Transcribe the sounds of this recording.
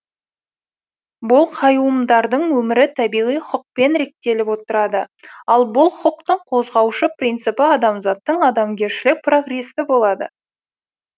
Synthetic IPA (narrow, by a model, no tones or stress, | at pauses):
bʊlˠqʰɑjuəmd̪ɑɾd̪əɴwɵmɪɾɪt̪ʰæbijʁijχʊq̚pe̞nɾe̞k̚t̪e̞lɪpwo̞t̪əɾɑd̪əɑlˠbʊlˠχʊʊqt̪əɴqʰo̞zʁɑwʃəprijnt̪sɨpɪɑd̪ɑmzɑt̪ːəɴɑd̪ɑmɡʲe̞ɾʃɪlɪk̚pro̞ɡre̞sɪbo̞lˠɑd̪ə̰